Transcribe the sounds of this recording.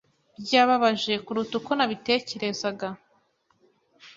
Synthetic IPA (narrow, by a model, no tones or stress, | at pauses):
bɟaːβaβaʒe̞kuɾutukonaβite̞ːce̞ɾe̞zaɡa